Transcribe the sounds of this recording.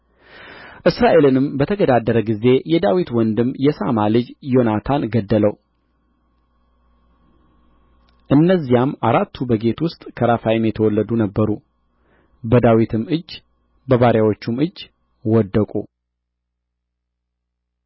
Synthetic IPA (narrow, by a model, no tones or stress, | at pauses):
ʔɨsɾaʔe̞lɨnɨmbət̪ʰəɡəd̪ad̪ːəɾəɡize̞jɛd̪awit̪wɔnd̪ɨmjɛsamalɨd͡ʒjo̞nat̪ʰanɡəd̪ːələw | ʔɨnːəzːijamaɾat̪ʰːubəɡe̞t̪wʊst̪ʼkʰəɾafajɪmjɛt̪ʰəwɔlːəd̪unəbːəɾu | bəd̪awit̪ʰɨmɨd͡ʒː | bəβaɾjawo̞t͡ʃːumɨd͡ʒː | wɔd̪ːəkʼṵ